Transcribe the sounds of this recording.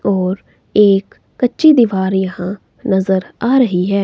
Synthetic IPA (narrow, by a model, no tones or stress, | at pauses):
ɔːɾ | eːkː | ətːʃiːd̪iːʋaːɾjɐɦãː | nəzəɾaːɾəɦiɦɛː